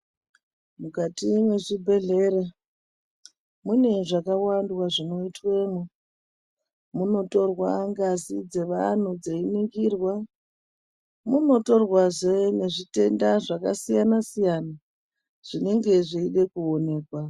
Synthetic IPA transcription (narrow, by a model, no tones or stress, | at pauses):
mukatimwe̞ʐibʱe̞ɮe̞re | mune̞ʐakawandwaʐino̞itweːmu | muno̞to̞rwaŋɡazid͡ze̞ʋa̰n̤ud͡zeiniŋɡiːrwa | muno̞to̞rwaʐene̞ʐite̞ndaʐakasijanasijana | ʐ̥ine̞ŋɡe̞ʐiiɗe̞kuo̞ne̞ːkwa